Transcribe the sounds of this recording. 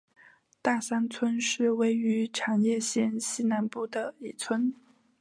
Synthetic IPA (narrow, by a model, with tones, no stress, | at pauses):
t̪a˥˩sa˥nt͡sʰwə˥nʂɻ̩˥˩we˥ɪy˧˥ʈ͡ʂʰa˨˩njɛ˥˩ɕjɛ˥˩nɕi˥na˧˥npu˥˩d̪ə˩i˨˩t͡sʰwə˥n